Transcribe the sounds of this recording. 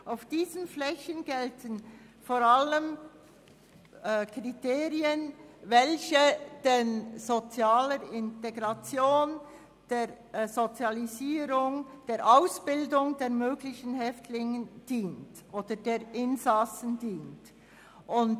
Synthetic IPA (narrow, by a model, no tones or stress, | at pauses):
aʊfd̥iːzənflɛçənɡ̥ɛltʰən | foːɾaləm | kʁiteːɾiənvɛlçəd̥enz̥ot͡sjaːləɾɪnteɡɾɑt͡sjoːn | d̥eːɾ | zot͡sjɑliziːɾʊŋd̥eːɾʔaʊsb̥ɪldʊŋdeːɐmøːɡlɪçənɦɛftʰlɪŋənd̥iːntʔoːd̥əd̥eːɾʔɪnzɑsən̩diːnt | ʔʊn